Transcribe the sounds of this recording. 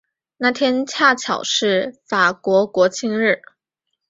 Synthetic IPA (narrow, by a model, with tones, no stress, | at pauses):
na˥˩t̪ʰjɛ˥nt͡ɕʰja˥˩t͡ɕʰjɑ˨˩ʊʂɻ̩˥˩fa˨˩kwɔ˧˥kwɔ˧˥t͡ɕʰi˥ŋɻɻ̩˥˩